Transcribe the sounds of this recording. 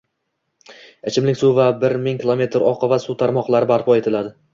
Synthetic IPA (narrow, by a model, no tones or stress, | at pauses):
et͡ʃʰɪmlɪkʲsuvabɪɾmɪŋkʲʰɪlˠome̞t̪ʰɾɒqʰavasut̪ʰaɾmɒqlˠaɾɪbaɾpʰɒe̞t̪ʰɪlad̪ɪ